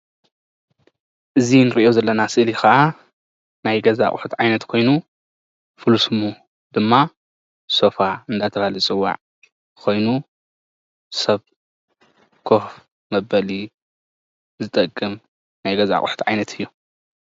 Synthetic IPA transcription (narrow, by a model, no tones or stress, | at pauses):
ʔɨzinɨɾiʔozɐlːɐnasɨʔlixaʔa | najɡɐza̰kʼħut̪ʕajnɐt̪kʰo̞jnu | fɨlusɨmːu | d̪̥ɨmːa | so̞faɨnd̪at̪ʰɐβalit͡sʼɨwːa̰ʕ | kʰo̞jnu | sɐβ | kʰo̞f | mɐbɐli | zɨt̪ʼɐkʼːɨm | najɡɐza̰kʼħu̥t̪ʰʕajnɐt̪ʰɨjːu